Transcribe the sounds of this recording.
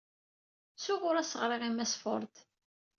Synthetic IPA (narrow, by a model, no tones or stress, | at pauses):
sʊʁʊɾæsəʁɾˤiʁimæsfo̰ɾˤt̪